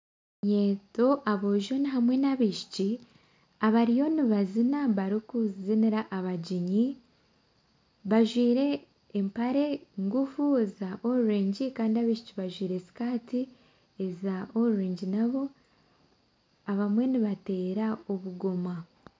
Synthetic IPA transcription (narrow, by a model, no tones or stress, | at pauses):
ɲe̞ːto̞ʔaβoʒo̞niɦamwe̞naβiʃi̥ci | aβaɾijo̞niβazinaβaɾikuziniɾaʔaβaɟiɲi | βaʒwiːɾe̞ː | mpaɾe̞ŋɡufuezaʔouɾeːɲɟikaːndiaβiʃi̥ciβaʒwiːɾe̞si̥kaːti | ezaouɾeːɲɟinaβo̞ | aβamwe̞niβate̞ːɾaoβuɡo̞ma